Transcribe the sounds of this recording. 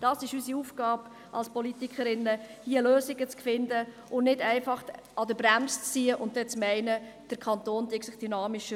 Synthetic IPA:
d̥ɑsɪʃysiufɡ̥ɑːb | ʔɑ̰lspɔlit̪ikʰχəɾɪnːəhiəløːsɪɡət͡skfɪndə | ʊnnɪdɛɪfɑχ | ɑdəbɾæmst͡st͡sːiːəʔʊn̚d̥ɛt͡smɛɪnə | d̥əɾkʰɑnt̪oːnd̥iəksɪχd̥ynɑːmɪʃə

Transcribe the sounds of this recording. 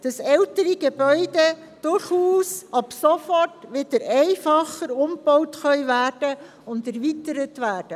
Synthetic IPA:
d̥ɑsɛltəɾəɡ̥ebœʏde | d̥ʊɾχuːsɑpsofɔtʋɪdəɾæɪfɑχəɾʊmb̥ɔʊtxœʏvæɾd̥ə | ʊndɛɾvitəɾətʋæːɾd̥ə

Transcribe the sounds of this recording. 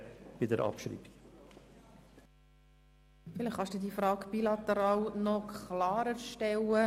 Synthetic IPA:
b̥ɪdəɾʔɑ̰pʃɾḭːbi | fɪlɪχχɑʃd̥ud̪iːfɾɑːkb̥ilɑt̪əɾɑːlnɔkʰlɑːɾəɾʃtɛlə

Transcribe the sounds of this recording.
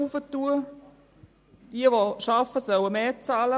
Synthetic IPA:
ufətːuə | d̥iəʋoʃɑfəsœwəmeːt͡sɑːlə

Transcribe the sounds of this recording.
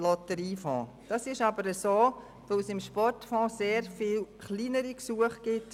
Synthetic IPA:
lɔtəɾiːfɔ̰̃ː | d̥ɑsɪʃɑbəɾəsoː | ʋoʊsɪmʃpɔrtfɔ̃ːseːɾfiːlχliːnəɾiksuəχɡ̥ɪt

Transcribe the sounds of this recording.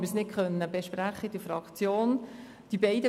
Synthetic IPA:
məsnɪtkʰœnːəbeʃpɾæχːəd̥əfɾɑkt͡sjoːn | d̥ibɛɪdə

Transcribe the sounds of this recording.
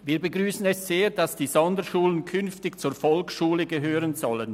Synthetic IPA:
viːɐbəɡʁyːsən̩ɛsz̥eːʁdasd̥iːzɔndəʃuːlənkʰʏnftɪçt͡suːfɔlkʃuːləɡəɦøːʁənzɔlən

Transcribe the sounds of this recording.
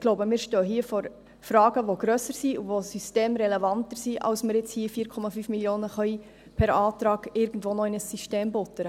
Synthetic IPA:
ɡ̥loʊbəmɪːɾʃtøːɦiːəfɔɾ | fɾɑːɡəʋoɡ̥ɾøsəɾsiuʋosysteːmɾɛlɛvɑntəɾsiʔɑ̰lsməɾjɪt͡shiːəfiːɾkʰɔmɑfyːfmiljoːnəχœi | pʰɛɾɑːt̪ɾɑːɡ̥ɪɾɡən̩dʋoːnɔɪnəsːyʃteːmbʊt̪əɾə

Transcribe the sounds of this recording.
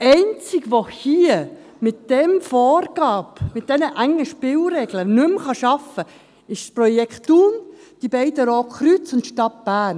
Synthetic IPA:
ɛɪnt͡sɪɡʋohiə | mɪt̚d̥ɛmfoːrɡ̥ɑːbmɪt̚d̥ɛnəʔæŋːəʃpɪlɾɛɡlənʉmχɑʃɑfə | ɪʃsprɔjɛkχtːuːn | d̥ibɛɪdəɾoːkχɾyt͡sʊntʃtɑt̚b̥æːn

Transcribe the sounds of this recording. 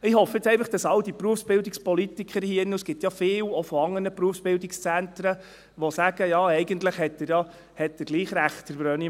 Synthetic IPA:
ɪhɔfːjɪt͡sɛɪnfɑχd̥ɑsɑld̪ipɾuəfsb̥ɪldikspɔlit̪ikʰəɾhiːnːusɡ̥ɪt̪jɑfɪːlɔfɔɑŋːənəpɾuəfsb̥ɪldɪkst͡sænt̪ɾə | ʋɔsæɡ̥əjɑɛɪɡənt̪ləχhɛtːəɾjɑ | hɛt̚dəɾɡ̥liːχɾæχtd̥əɾbɾœːni

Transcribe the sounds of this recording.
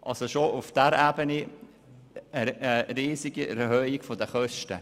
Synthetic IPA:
ʔɑ̰lsoʃoʔufd̥æɾæːbəni | əəriːsiɡiɛ̰ɾhœːɪkfodəχœʃtə

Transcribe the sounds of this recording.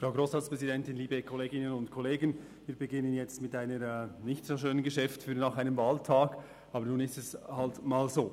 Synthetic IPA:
fraʊɡɾoːsʁaːtspʁ̥ɛzidɛntɪnliːbəkʰɔleːɡɪnənʊntkʰɔleːɡən | viːɾbəɡɪnənjɛt͡stmɪtaɪnəɾɛnɪçtsoːʃøːnənɡəʃɛftfyːnaːχaɪnəmvaːltʰaːɡ | ɑːbəɾnuːnɪstɛshaltmaːlzoː

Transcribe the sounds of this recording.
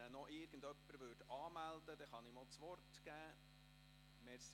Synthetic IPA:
ənɔʔɪːɾɡ̥ən̩d̪œpːəɾʋøːdɑːmæld̪əd̥̪ɛχɑnɪmoːlˠt͡sʋɔrtɡ̥æː | mɛɾs

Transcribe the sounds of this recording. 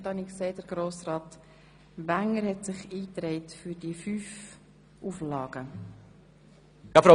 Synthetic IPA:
tɑniksɛɪt̚d̥əɾɡ̥ɾoːsrɑːt | ʋæŋəɾhɛtsɪχiːtɾɛɪtfyɾd̥iəfyːf | ʔuflɑːɡ̥ə | jɑfɾo

